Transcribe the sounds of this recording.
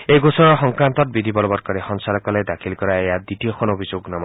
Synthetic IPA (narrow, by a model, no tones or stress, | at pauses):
ejɡosɔɹɔɦɔŋkɾant̪ɔt̚bid̪ʱibɔlɔbɔɾ̚kɔɾehɔnsalɔkɔled̪akʰilkɔɾaejad̪itijɔkʰɔnobʱid͡ʒoɡnam